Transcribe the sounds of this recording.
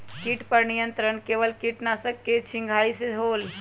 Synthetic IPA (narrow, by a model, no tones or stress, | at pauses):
kiʈpəɾnijənt̪ɾəɳkeʋəlkiʈnasəkːet͡ʃʰĩŋɡʱaiseɦoːl